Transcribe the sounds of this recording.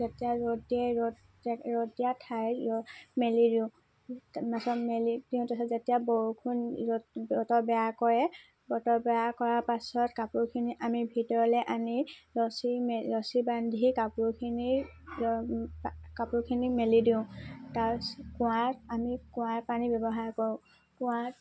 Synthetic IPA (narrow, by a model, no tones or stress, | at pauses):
zetijaɹɔdiɛɔ | ɹɔdijatʰajɔmelidiʊ̃ | masɔmelidiʊ̃tasɔzetijaboɦukʰunɔbɔtɔɹbɛjakɔjɛ | bɔtɔbɛjakɔɹapasɔtkapuɹkʰiniʔamibʱitɔɹɔlɛʔamiɹɔsimeɹɔsibandʱikapuɹkʰini | kapuɹkʰinimelidiʊ̃taɹkʊwãtamikʊ̃waɹpanibɛbɔɦaɹkɔɹʊ̃ | kʊwat